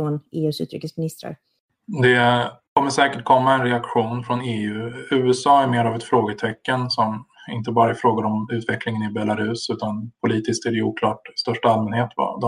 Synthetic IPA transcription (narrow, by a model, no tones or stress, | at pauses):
onʔeːʉ̟ːsʉ̰ːt̪ɾɪ̰kːəsmɪnɪst̪ɾa̰ɾ | d̪ɛkʰɔmːəʂɛːkəʈ̚kʰɔmːaɛnɾɛakɧuːnfɾɔneːʉ̟ːʉ̟ːɛsɑːæɾmeːɾavɛt̪fɾoːɡət̪ʰɛkːənsɔmɪnt̪əbɑːɾaɪfɾoːɡaɾɔmʉ̟ːt̪vɛklɪŋənɪbɛlːaɾʉ̟ːsʉ̟ːt̪anpʰʊliːt̪ɪskt̪æɖɛuːkʰlɑːʈst̪œʂʈaalmɛnheːt̪va̰d̪